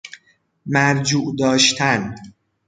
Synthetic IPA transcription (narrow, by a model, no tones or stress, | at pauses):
mæɾd͡ʒuːʔd̪ɒːʃt̪ʰæn